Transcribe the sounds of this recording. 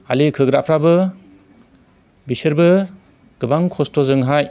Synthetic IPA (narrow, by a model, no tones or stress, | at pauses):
a̰likʰɯɡɾapʰɾabɯ | bisɯɾbɯ | ɡ̥ɯbaŋkʰɔstɔzɯŋɦaj